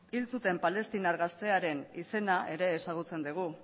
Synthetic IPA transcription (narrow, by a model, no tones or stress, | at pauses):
ilt͡sut̪e̞mpale̞st̪inaɾɣast̪e̞aɾe̞nise̞naʔe̞ɾe̞ːsaɣ̞ut͡se̞nd̪iɣ̞u